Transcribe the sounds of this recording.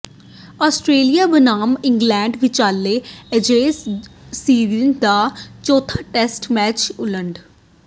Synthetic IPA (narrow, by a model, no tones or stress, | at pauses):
ɔːsʈɾeːlijaːbənaːmɪŋɡlɛːɳɖʋɪt͡ʃaːlːeːəd͡ʒeːsː | iːɾənd̪aːt͡ʃoːt̪ʰaːʈɛːsʈmɛːt͡ʃʊləɳɖ